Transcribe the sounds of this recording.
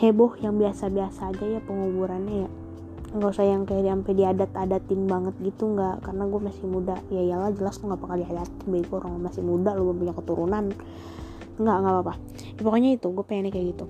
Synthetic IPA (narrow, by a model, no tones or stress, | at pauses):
hebɔhjaŋbiasabiasaːd͡ʒajapəŋubuɾanɲaja | ŋɡausajaŋkajadiampɛdiadat̪adat̪ɪnbaŋət̪̚ɡit̪uŋɡaʔkarənaɡuɛmasɪhmudajajalahd͡ʒəlast̪uŋɡaʔpakardiadat̪ɪbaiɡoɾaŋlmasɪhmudaloɡuɛmpuɲakət̪uɾunan | ŋɡaʔŋɡaʔpapa | japokoɲait̪uɡuapeenɛkajaɡit̪u